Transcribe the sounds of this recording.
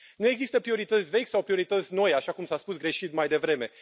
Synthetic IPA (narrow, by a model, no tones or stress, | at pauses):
nue̞ɡzist̪əpɾio̞ɾit̪ət̪sʲve̞kʲsawpɾio̞ɾit̪ət̪sʲno̞jaʃakumsaspusɡɾe̞ʃit̪majd̪e̞vɾe̞me̞